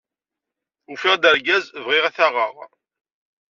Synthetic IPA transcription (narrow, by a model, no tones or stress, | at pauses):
ufɪʁd̪əɾɡæzvʁɪʁaθaʁəʁ